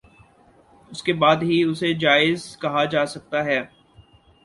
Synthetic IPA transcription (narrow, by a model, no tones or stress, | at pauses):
ʊskebaːd̪ɦiʊsed͡ʒaːɪzkɐɦad͡ʒaːsɐk̚t̪aɦɛː